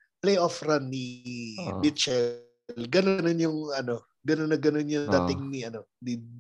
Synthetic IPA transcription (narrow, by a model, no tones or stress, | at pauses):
plejʔofɾanːi | mit̪t͡ʃɛ | lɡɐnnonjʊŋɐno | ɡɐnonɐɡɐnonjʊd̪at̪ɪŋniɐno | ni